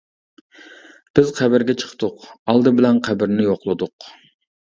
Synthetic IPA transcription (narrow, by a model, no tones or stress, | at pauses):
b̥ɪzqʰæbɪɾɡʲɛt͡ʃʰə̥qʰt̪ʊqɑlˠd̪ɨbɪlɛnqʰæbɪɾnɪjoqlˠɨd̪ʊq